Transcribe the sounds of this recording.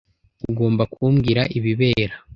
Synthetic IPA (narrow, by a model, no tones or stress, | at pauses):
uɡo̞ːmbakʰumɡiɾaʔiβiβe̞ːɾa